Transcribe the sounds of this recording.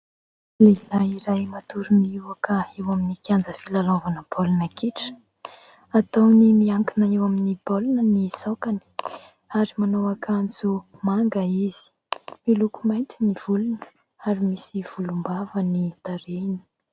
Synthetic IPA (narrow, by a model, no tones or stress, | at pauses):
lelaiɾajmat̪uɾuniwakəewaminikand͡zəfilalovanəbolunəkeʈ͡ʂə̥ | at̪ownimiaŋkinəewaminibolunənisokani̥ | aɾimanowakʰand͡zumaŋɡəizi̥ | milukumajnt̪iniv̥ulunə̥ | aɾimisiv̥ulumbavənid̪̥aɾeni̥